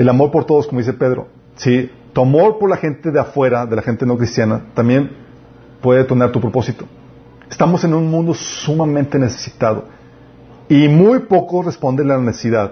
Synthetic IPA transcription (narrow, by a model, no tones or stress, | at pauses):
elamo̞ɾpo̞ɾt̪o̞ð̞oskomoðisepe̞ðɾo̰ | si | t̪uamo̞ɾpo̞ɾlaxe̞nt̪e̞ðeafwe̞ɾaðe̞laxe̞nt̪e̞no̞kɾist̪janat̪ambje̞n | pwe̞ðet̪onaɾt̪upɾopo̞sit̪o̞̥ | est̪amo̞se̞nũnmũnd̪o̞sumamẽnt̪e̞ne̞se̥sit̪aðo̞̰ | imujpo̞kosrespo̞nd̪e̞nlalanesesiðað